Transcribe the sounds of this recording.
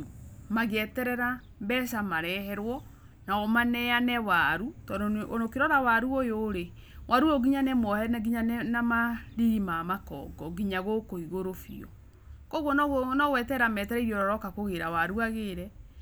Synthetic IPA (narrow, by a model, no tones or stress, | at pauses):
maɣɛtɛɾɛɾa | mbɛsamaɾɛɦɛɾwɔ | naɔmanɛanɛwaɾutɔdonokeɾɔðawaɾuojoɾe | wʔaɾuoɡiɲanɛmɔhɛnaɡiɲanɛnamaɾiɣimamakɔ̰ːɡɔɡiɲaɣokoiɣoɾofḭɔ̰ | kɔɣɔnnɔɣwɛtɛɾamɛtɛɾɛiɾioɾɔɾɔkakoɣeɾawaɾuaɣeɾɛ